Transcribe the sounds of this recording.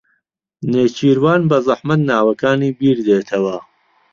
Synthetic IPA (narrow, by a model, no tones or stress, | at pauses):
neːt͡ʃʰiːɾwaːnbɐzˤɑħmɐt̪naːwɐkaːniːbiːɾd̪eːt̪ʰɐwɐ